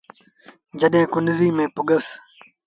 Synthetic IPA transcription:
d͡ʒəɗẽːkʊnɾiːmẽːpʊɡəs

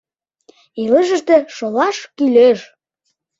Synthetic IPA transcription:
iləʒə̆ʃt̪ĕʃolɑʃkyløʃ

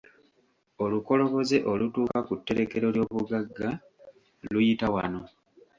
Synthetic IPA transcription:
oluko̞lo̞βo̞zeʔo̞lutuːkakutːe̞ɾe̞ke̞ɾo̞ljo̞ːβuɡaɡːa | lujitawa̰no̞

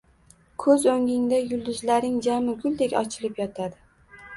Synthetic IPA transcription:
kʰɵzoŋʲɪŋd̪ajʊlˠd̪ʊzlaɾnɪŋd͡ʒamɪɡʲʊlˠd̪ekʲɒ̰t͡ʃʰɪlɪpjɒt̪ʰad̪ɪ

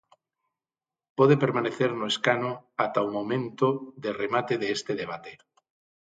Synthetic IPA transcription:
poð̞epeɾmaneθeɾnoeskanoat̪aumõmẽnt̪oðeremat̪eðeest̪eðeβ̞at̪e̥

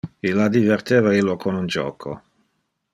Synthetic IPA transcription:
ilːad̪ivɛrt̪eːvailːokʰonund͡ʒɔ̰ːkʰo̰

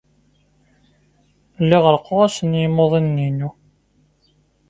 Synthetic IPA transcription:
lːiʁəɾqoʁæsənjimoðˤinːinu

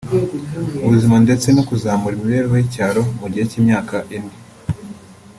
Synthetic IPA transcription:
uβuzimande̞t͡se̞nokuzaːmuɾimiβe̞ːɾiwojicaːɾo̞muɟiecimɲaːkaʔindi

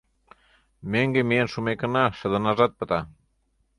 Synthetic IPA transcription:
meŋɡemienʃumekə̆nɑʃə̆d̪ə̆nɑzɑt̪̚pə̆t̪ɑ

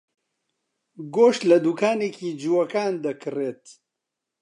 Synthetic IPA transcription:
ɡoːʃt̪lɐd̪ukʰaːneːkiːd͡ʒuwɐkaːnd̪ɐkʰɨreːt̪

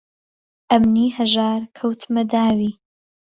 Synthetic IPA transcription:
ʔɐmniːhɐʒaːɾkʰɐwt̪ʰmɐd̪aːwiː

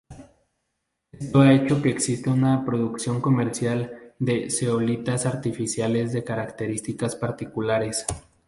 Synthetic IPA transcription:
eest̪o̞ae̞t͡ʃo̞ke̞ːksist̪eunapɾo̞ðuksjo̞ŋko̞me̞ɾsjald̪e̞seolit̪asaɾt̪ifisjale̞zðe̞kaɾakt̪e̞ɾist̪ikaspaɾt̪ikulaɾe̞s

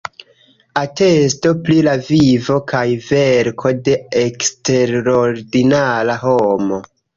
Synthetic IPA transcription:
ate̞sto̞plilavivo̞kʰajve̞ɾkʰo̞de̞ekste̞ɾɾoɾdinalaɦomo̞

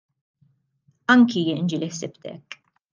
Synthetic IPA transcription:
ɐŋkijɪnd͡ʒɪliħsɪpt̪ɛ̰kː

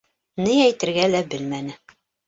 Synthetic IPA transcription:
nɘæjt̪ɘ̆ɾɡælæbɘlmænɘ

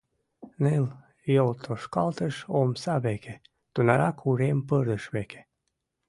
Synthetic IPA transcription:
nel | jolt̪ʰoʃkɑlt̪əʃomsɑβekʰe | t̪unɑɾɑkʰuɾempərd̪əʃβeke̥

